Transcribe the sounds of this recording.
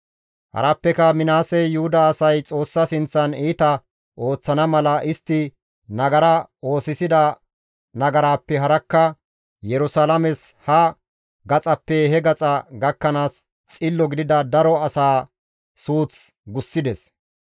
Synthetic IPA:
hɐ̰ɾɐpːɛkɐmɪnaːsɛjjʊhʊd̪ɐːsɐjt͡sʼo̞ːsːɐsɪnt͡sːɐniːt̪ɐ | ʔo̞ːt͡sːɐnɐmɐlɐʔɪst̪ːɪ | nɐɡɐɾɐo̞ːsɪsɪd̪ɐ | nɐɡɐɾaːpːɛɦɐɾɐkːɐ | jɛɾʊsalɐmɛshɐ | ɡɐt͡sʼɐpːɛhɛɡɐt͡sʼɐɡɐkːɐnaːs | t͡sʼɪlːɔɡɪd̪ɪd̪ɐd̪ɐɾɔɐsaː | suːt͡s | ɡʊsːɪd̪ɛs

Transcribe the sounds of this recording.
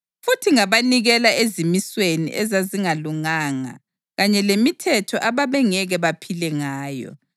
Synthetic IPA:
futʰiŋaβaniɣɛlaʔezimiswenḭʔɛzaziŋaluŋaːŋa̰ | ɣaɲɛlemitʰɛtʰɔʔaβaβɛŋɛɣɛβapʰilɛŋaːjɔ̰

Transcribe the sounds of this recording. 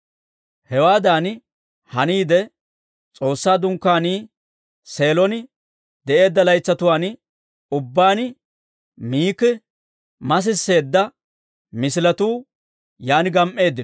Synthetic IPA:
hɛwaːd̪aːn | hɐniːd̪ɛ | t͡sʼo̞ːsːaːd̪ʊŋkːaːniː | se̞ːlɔnɪ | d̪ɛʔe̞ːd̪ːɐlɐjt͡sːɐt̪ʊwaːn | ʊbːaːnɪ | miːkɪ | mɐs̬ɪsːe̞ːd̪ːɐ | mɪsɪlɐt̪uː | jaːnɪɡɐmʔːe̞ːd̪ːɪn

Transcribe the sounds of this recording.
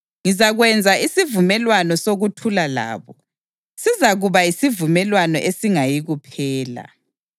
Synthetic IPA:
ŋizaɣwɛnd͡zʱaʔisivumɛlwanɔsoɣutʰulala̰ːβɔ | sizaɣuβajisivumɛlwanɔʔesiŋajiɣupʰɛːla̰

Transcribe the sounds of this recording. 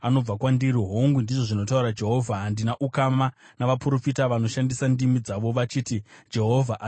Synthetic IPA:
ano̞b͡vakwandiɾiɦoŋɡundiʐo̞ʐino̞t̬auɾad͡ʒe̞ɦo̞vʱaɦandinaʔukamanaʋapuro̞fitaʋano̞ʃandisandimid͡zaʋo̞ʋat͡ʃiːtid͡ʒe̞ɦo̞vʱaʔa

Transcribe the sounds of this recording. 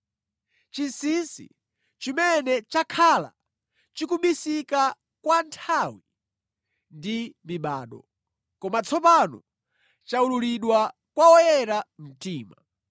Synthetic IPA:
t͡ʃinsinsḭ | t͡ʃimɛnɛt͡ʃakʰala̰ | t͡ʃikuɓisika | kwantʰawi | ndimiɓa̰ːɗɔ̰ | kɔmat͡sʰɔpanɔ̰ | t͡ʃaululiɗwa | kwaɔjɛɾam̩tiːma

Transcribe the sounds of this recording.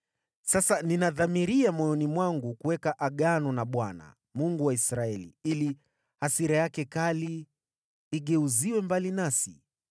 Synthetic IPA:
sasaninaðamiɾiamɔjɔnimwaŋɡukuwɛkaʔaɠanɔnaɓwana̰ | muŋɡuwaisɾaɛlḭili | hasiɾajakɛkaliː | ɠɛuziwɛmbalinasi

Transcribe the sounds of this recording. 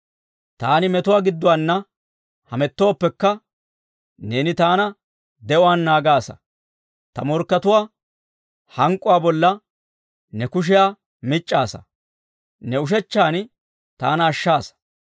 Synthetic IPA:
t̪aːnɪmɛt̪ʊwaːɡɪd̪ːʊwanːɐ | hɐmɛt̪ːo̞ːpːɛkːɐ | ne̞ːnɪt̪aːnɐ | d̪ɛʔʊwaːnːaːɡaːsɐ̰ | t̪ɐmɔɾkːɐt̪ʊwaː | hɐŋkʼːʊwaːbɔlːɐ | nɛkʊʃ̬ɪjaː | mɪt͡ʃʼːaːsɐ̰ | nɛʊʃ̬ɛt͡ʃːaːn | t̪aːnɐːʃːaːsɐ̥

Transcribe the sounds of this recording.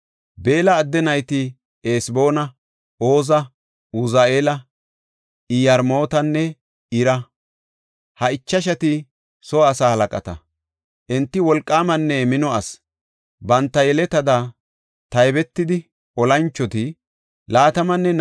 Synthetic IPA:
be̞ːlɐːd̪ːɛnɐjt̪ɪ | eːsbo̞ːnɐ | oːzɐ | ʊzaːeːlɐ | ɪjɐɾmo̞ːt̪ɐnːɛ | ɪɾɐ | hɐɪt͡ʃːɐʃ̬ɐt̪ɪ | sɔːsaːhɐlɐkʼɐ̰t̪ɐ̰ | ʔɪnt̪ːɪwɔlkʼːaːmɐnːɛmɪnɔɐs | bɐnt̪ːɐjɛlɛt̪ːɐd̪a | t̪ɐjbɛt̪ːɪd̪ɪ | ɔlɐnt͡ʃːɔt̪ɪ | laːt̪ɐmɐnːɛn

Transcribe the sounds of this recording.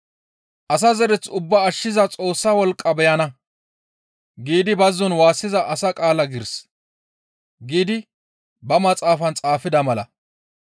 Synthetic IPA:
ʔɐs̬ɐzɛɾɛt͡sʊbːɐːʃːɪzɐt͡sʼo̞ːsːɐwɔlkʼːɐbɛjɐnɐ | ɡiːd̪ɪbɐzːɔnwaːsːɪzɐʔɐsɐkʼaːlɐɡɪɾs | ɡiːd̪ɪ | bɐmɐt͡sʼaːfɐnt͡sʼaːfɪd̪ɐmɐlɐ̰

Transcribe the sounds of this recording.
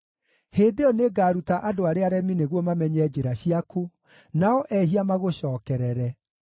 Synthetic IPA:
hedeɔneɡaːɾutaʔadoaɾeaɾɛmineɣwɔmamɛɲɛd͡ʒeɾaɕiako | naɔʔɛɦiamaɣoɕɔːkɛɾɛɾɛ

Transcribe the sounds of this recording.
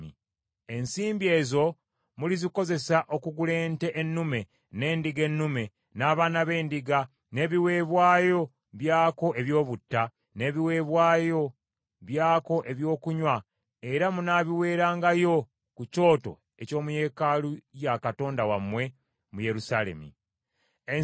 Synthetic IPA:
i | ensiːmbie̞ːzo̞ | muliziko̞ze̞saʔo̞kuɡule̞ːnte̞ʔenːume̞ | ne̞ːndiɡe̞nːume̞ | naːβaːnaβe̞ːndiɡa | ne̞ːβiwe̞ːβwaːjo̞ | βjaːko̞ʔe̞βjo̞ːβutːa | ne̞ːβiwe̞ːβwaːjo̞ | βjaːko̞ʔe̞βjo̞ːkuɲwa | e̞ɾamunaβiwe̞ːɾaːŋɡajo̞ | kuco̞ːto̞̰ | e̞co̞ːmuje̞ːkalujakato̞ːndawamwe̞ | muje̞ɾusale̞̰mḭ | e

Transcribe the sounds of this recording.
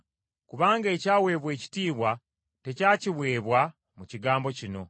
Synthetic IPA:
kuβaːŋɡe̞ːcaːwe̞ːβwe̞ːci̥tiːβwa | te̞caːciβwe̞ːβwa | muciɡaːmbo̞cino̞

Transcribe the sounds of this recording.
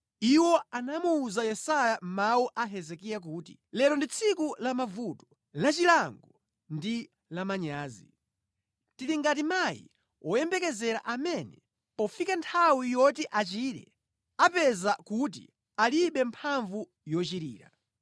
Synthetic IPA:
iwɔanamuːzajɛsajam̩mawuʔaɦɛzɛkijak̬uːtḭlɛlɔndit͡sʰikulamavutɔ̥ | lat͡ʃilaŋɡɔ | ndi | lamaɲaːzḭ | tiɾiŋɡat̬imajḭ | ɔjɛmbɛkɛzɛɾa̰ʔamɛnɛ | pɔfikantʰawijɔtiʔat͡ʃiɾɛ̰ | apɛzakut̬ḭ | aliɓɛmpʰaɱvu | jɔt͡ʃiɾiːɾa̰

